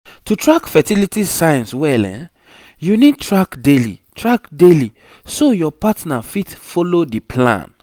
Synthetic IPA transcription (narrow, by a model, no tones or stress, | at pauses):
tutʰɹakfɛtilitisajãnswɛlɛ̰̃ | junid̚tɹakdelḭtʰɹakdeli | sojɔpatnafitfɔlodipʰlã̰n